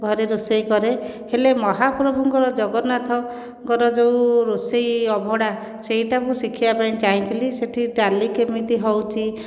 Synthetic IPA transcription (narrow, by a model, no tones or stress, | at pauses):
ɡʱɔɾeɾusejkɔɾe | helemɔɦapɾɔbʱuŋkɔɾɔd͡ʒɔɡɔnat̪ʰɔ | ɡɔɾɔd͡ʒewɾusejɔbʱɔɽa | seɦiʈakusikʰibapaĩt͡ʃaɦĩt̪ʰiliseʈʰiʈalikemit̪iɦɔwt͡ʃʰi